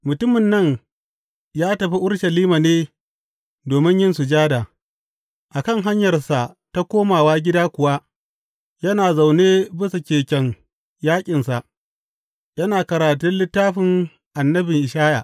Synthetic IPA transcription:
mʊ˨tʊ˦mɪ˨nːɐ˦˨ɲ | jaː˦tɐ˨ɸi˦ʔʊ˦ɽʃɐ˨liː˦ma˨neː˦ | doː˨mɪ˦ɲjɪ˦nsʊ˨d͡ʒaː˦daː˨ | ʔa˨kɐ˦ŋɦa˦ɲjɐ˨rsa˨ | ta˦kʷoː˦maː˨waː˦ɡʲɪ˦daː˦kʷʊ˨wa˦ | jɐ˦naː˨za˨wneː˦bɪ˦su˨kʲeː˨kʲɛ˨ŋ | jaː˦kʲʼɪ˨nsa˨ʔ | jɐ˦naː˨kɐ˨ɾaː˨tʊ˦nlɪ˦tːaː˦ɸɪ˨ŋ | ʔa˨nːɐ˦bɪ˨ŋʔɪ˨ʃaː˦ja̰˨ʔ

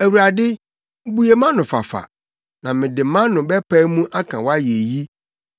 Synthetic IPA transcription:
æ˨wu˨ɾa˨dɪ˦ | bu˦je˨mã˦nʊ̃˨fa̰˨fa̰˨ | nã˨mɪ̃˨dɪ˨˦mã˦nʊ̃˨bɛ˦pʰa˦mũ˦ʔa˦kʰã˨wa˦je˨ji˦

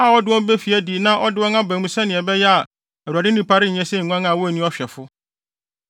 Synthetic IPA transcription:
a˦˨wɔ˦dɪ˦wɔ˦be˦fi˨æ˦di˨nã˦ʔɔ˦dɪ˦wɔ̃˦nã˦bæ̃˨mũ˦sɛ̃˦nɪ̃˨ɛ˨bɛ˦jɛ˦a˨ | æ˨wu˨a˨dɪ˦nĩ˨pʰa˦ɾɪ˦ɲ̩˨ɲɛ̃˦sɛ˦ɲ̩˨ŋʷ˦ã˦ŋã˨wɔ˦˨nĩ˦ɔ˦ɕᶣɛ˨fʊ˦

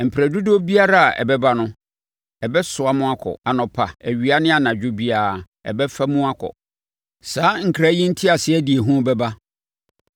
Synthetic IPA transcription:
m̩˨pʰɾæ˨du˦do˦bi˦a˦ɾa˦a˨ʔɛ̰˨bɛ˦ba˦nʊ̃˦ | ɛ˨bɛ˦sʊ˨a˦mʊ̃˦a˦kʰɔ̰˨a˨nɔ̃˨pʰa˨æ˨ɥi˨a˦nɪ̃˦a˨nã˨d͡ʑᶣʊ˦bi˦a˨ | ɛ̰˨bɛ˦fa˦mũ˦a˦kʰɔ̰˨ | saː˨˦ŋ̩˨kʰɾa˦jĩ˦n̩˦tʰi˦a˨sɪ˦ɛ˦di˨e˨ɦũ˦bɛ˦ba˦

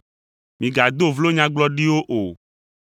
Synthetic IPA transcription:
mĩ˨ɡa˨d̪o˦vlo˦ɲã˦ɡ͡blɔ˦ɖi˦wo˦ʔo˨

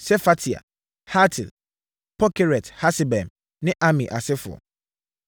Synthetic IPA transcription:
sɛ˦fa˨˦tʰi˨a̰˨ | ha˦tʰɪ̰˨l | pʰɔ˦kʰe˦ɾɛ˨tha˦sɪ˨bɛ̃˨m | nɪ̃˦ʔa˦mĩ˨ʔa˨sɪ˦fʊ̰˨ɔ̰˨

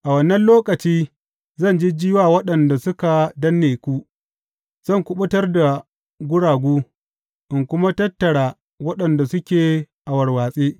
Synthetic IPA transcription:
ʔa˨wɐ˦˨nːɐ˦nloː˦kɐ˨t͡ʃiː˦ | zɐ˦˨nd͡ʒi˦d͡ʒɪː˦waː˦˨wɐ˦ɗɐ˨nda˨sʊ˦ka˨dɐ˦nːeː˨kʷu˦ | z̥ɐ˦˨ŋkʷʊ˦ɓʊ˦tɐ˦rda˨ | ɡʷʊ˦ɽaː˨ɡʷuː˦ | ʔɪ˨ŋkʷʊ˦ma˦tɐ˦tːɐ˨ɽaː˨ | wɐ˦ɗɐ˨nda˨sʊ˦kʲeː˨ | ʔa˨wɐ˨rwaː˨sʼeː˦ʔ

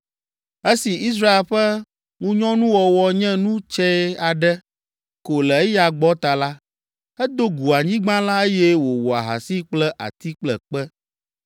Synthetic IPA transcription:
e˦si˨ʔi˦s̬ɾa˦e˨lɸɛ˦ | ŋũ˦ɲɔ̃˦nũ˦wɔ˨wɔ˦ɲɛ̃˦nũ˦t͡ʃɛ˦a˨ɖɛ˦ | ko˨lɛ˨e˦ja˨ɡ͡bɔ˦t̪a˨la˦ | ɛ˦d̪o˦ɡu˨a˨ɲĩ˦ɡ͡bã˦la˦e˦jɛ˦wo˨wo˨a̰˨ɦa̰˨si˦k͡plɛ˦ʔa̰˨t̪i˦k͡plɛ˨k͡pɛ˦

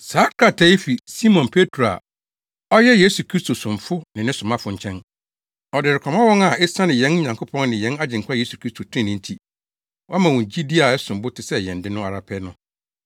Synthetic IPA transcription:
saː˨˦kʰɾa˨tʰɛ˦i˦fi˨si˦mɔ̃˨npʰe˦tʰɾo˨a̰˨ | ɔ˦jɛ˦jeː˦su˨kʰɾi˦stʰo˨sʊ̃˨ɱ˨fʊ˦nɪ̃˨nɪ̃˦sʊ̃˨mã˦fʊ˨ɲ̩˨t͡ɕʰɛ̃˦n | ɔ˨dɪ˨ɾɪ˨kʰɔ̃˨mã˦wɔ̃˦ŋa˨ɛ˦sã˦nɪ̃˨jɛ̃˦n˦ɲã˨ŋkʰo˦pʰɔ̃˦n˦nɪ̃˨jɛ̃˨˦na˦d͡ʑɪ̃˨ŋ˨kʰa˦je˦su̥˨kʰɾi˦stʰo˨tʰɪ˦ɪ̃˦nɪ̃˨n̩˦tʰi˦ | wɔ˦a˦mã˨wɔ̃˨n˨d͡ʑi˦di˦a˨ɛ˦sʊ̃˨m˨bʊ˦tʰɪ˨sɛ˦˨jɛ̃˨n˨dɪ̃˦nʊ̃˦a˨ɾa˨pʰɛ˦nʊ̃˦

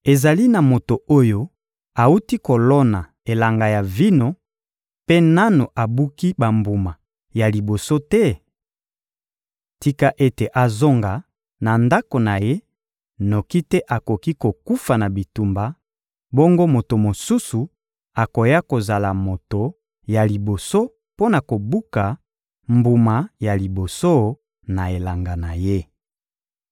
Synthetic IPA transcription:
e˨za˨li˦na˨mo˨to˨o˦jo˦ | a˨u˦ti˦ko˨lɔ˦na˨ | e˨la˨ŋɡa˨ja˨vi˦no˦ | pe˦na˦no˨ʔa˨bu˦ki˦ba˨mbu˨ma˨ | ja˨li˨bo˨so˦tɛ˦ | ti˦ka˦ʔe˦te˨ʔa˨zo˦ŋɡa˨ | na˨nda˦ko˨na˨je˦ | no˨ki˦tɛ˦ʔa˨ko˨ki˦ko˨ku˦fa˨na˨bi˨tu˨mba˨ | bo˦ŋɡo˦mo˨to˨mo˨su˦su˨ | a˨ko˨ja˦ko˨za˨la˨mo˨to˨ | ja˨li˨bo˨so˦ | po˦na˨ko˨bu˦ka˨ | mbu˨ma˨ja˨li˨bo˨so˦ | na˨e˨la˨ŋɡa˨na˨je˦

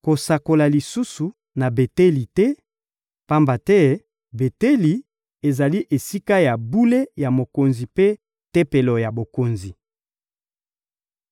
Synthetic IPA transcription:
ko˨sa˨ko˨la˨li˨su˦su˨ | na˨be˨te˦li˨tɛ˦ | pa˦mba˨tɛ˦ | be˨te˦li˨ | e˨za˨li˦ʔe˨si˦ka˦ja˨bu˦le˦ja˨mo˨ko˨nzi˨pe˦ | te˦pe˨lo˨ja˨bo˨ko˨nzi˨

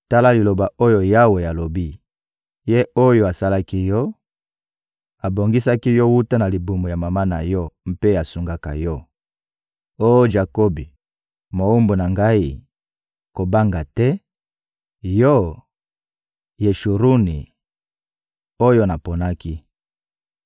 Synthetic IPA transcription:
ta˦la˦li˨lo˨ba˨o˦jo˦ja˦we˨ja˨lo˨bi˦ | je˦o˦jo˨a˨sa˦la˦ki˦jɔ˦ | a˨bo˨ŋɡi˦sa˦ki˦jɔ˦wu˦ta˦na˨li˨bu˨mo˨ja˨ma˨ma˦na˨jɔ˦m̩˦pe˦a˨su˨ŋɡa˦ka̰˨jɔ˦ | o˦jo˦ʒa˨ko˦bi˨ | mo˨u˦mbo˨na˨ŋɡa˦i˦ | ko˨ba˦ŋɡa˨tɛ˦ | jɔ˦ | je˨ʃu˨ɾu˦ni˨ | o˦jo˦na˨po˨na˦ki˦

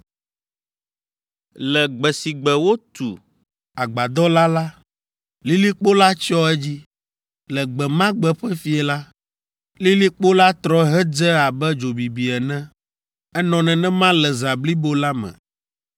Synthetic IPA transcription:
lɛ˨ɡ͡bɛ˨si˨ɡ͡bɛ˨wo˦t̪ṵ˨ | a˨ɡ͡ba˨d̪ɔ˦la˦la˦ | li˦li˦k͡po˦la˦t͡ʃɔ˦ɛ˦d͡ʑi˦ | lɛ˨ɡ͡bɛ˨mã˦ɡ͡bɛ˨ɸɛ˦fi˦ɛ˨la˦ | li˦li˦k͡po˦la˦t̪ɾɔ˦ɦɛ˦d͡zɛ˦a˨bɛ˦d͡ʒo˨bi˨bi˨ɛ˨nɛ̃˦ | ɛ˦nɔ̃˨nɛ̃˨nɛ̃˦mã˦lɛ˨za˨bli˦bo˦la˦mɛ̰̃˨

